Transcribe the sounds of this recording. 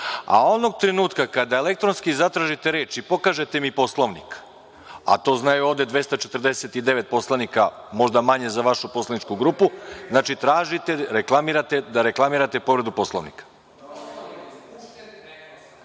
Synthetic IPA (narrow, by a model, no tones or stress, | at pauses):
a̰o̞noɡ̚t̪ɾe̞nuːt̪kakad̪ae̞le̞k̚t̪ɾonskizat̪ɾaʒit̪e̞ɾe̞ːt͡ʃipo̞kaʒe̞t̪emipo̞slˠo̞ʋnḭk | a̰t̪o̞ːznajuo̞ːʋd̪e̞d̪ʋe̞st̪at͡ʃe̞t̪ər̩d̪e̞set̪id̪e̞ʋe̞t̪̚po̞slˠanika | mo̞ʒd̪amaɲe̞zaʋaʃupo̞slˠanit͡ʃkuɡɾupuznaːt͡ʃit̪ɾaːʒit̪e̞ɾeklˠamiɾat̪e̞d̪aɾe̞klˠamiɾat̪e̞po̞ʋɾe̞d̪upo̞slˠoʋnḭkḁ